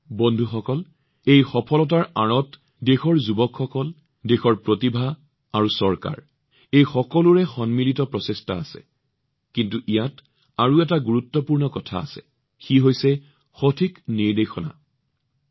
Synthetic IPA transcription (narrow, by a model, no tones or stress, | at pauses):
bondʱuxɔkɔl | ejxɔpʰɔlɔt̬aɹaɹɔt | dexɔɹzubɔkxɔkɔl | dexɔɹpɹotibʱa | aɹusɔɹka̰ɹ | ejxɔkɔluɹɛxɔnmilitɔpɹɔsestaasɛ̰ | kintuʔijat | aɹuɛtaɡuɹutːɔpuɹnɔkɔtʰa̰a̰sɛ̰ | xiɦojsɛ | xotʰikniɹdexʰɔna̰